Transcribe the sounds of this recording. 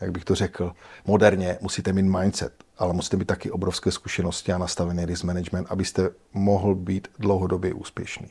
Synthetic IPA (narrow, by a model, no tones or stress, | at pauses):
jaɡbɪxt̪or̝ɛkl̩mo̞dɛɾɲɛmusiːt̪ɛmiːt̪majnt̪sɛ̰t̪ʔalɛmusi̥ːt̪ɛmiːt̪takɛʔo̞bɾofskɛːskuʃɛno̞scɪanast̪avɛnɛːɾɪzmɛnɛd͡ʒmɛnt̪ʔabɪst̪ɛ | moɦl̩biːt̪dlowɦodo̞bjɛʔuːspjɛʃnḭː